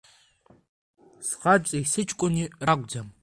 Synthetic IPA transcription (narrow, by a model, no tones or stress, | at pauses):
sχaʈ͡ʂʼejsɨt͡ʃʼkʷʼʊniraɡʷʼd͡zam